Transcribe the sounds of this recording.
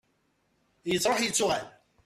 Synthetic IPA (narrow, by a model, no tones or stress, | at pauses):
jəzˤɾˤoħjət͡sːʊʁal